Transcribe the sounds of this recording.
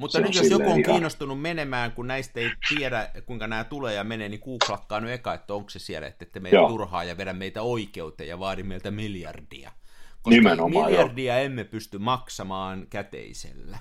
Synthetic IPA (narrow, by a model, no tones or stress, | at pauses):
mut̪ːɑnyt̪josjokuoŋkiːnːost̪unummenemæːŋkunnæist̪eit̪ieɾækuiŋkɑnæːt̪uleːjɑmeneːnikuːklɑkːɑːnyekɑet̪ːæoŋksesiɛlæ̰ḛt̪ːet̪ːæmeiot̪urhɑ̰ːjɑʋeɾæmmeit̪æoikeut̪ḛjjɑʋɑːɾimmeilt̪æmiljɑ̰rdḭɑ̰konimenomiljɑrdiɑemːepyst̪ymmɑksɑmɑːnkæt̪ḛisḛlːæ